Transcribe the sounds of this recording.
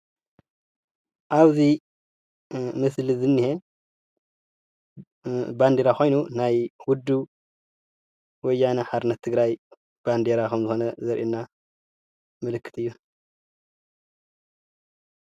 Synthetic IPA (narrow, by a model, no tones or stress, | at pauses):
ʔaβzi | mɨslɨzɨnːihe | band̪eɾaxo̞jnunajwʊd̪ːu | wɔjːanaħaɾɨnːɐt̪ʰːɨɡɾaj | b̥and̪eɾakɐmzɨxo̞nɐzɐɾʔinːa | mɨlɨkːɨ̥t̪ʰɨjːu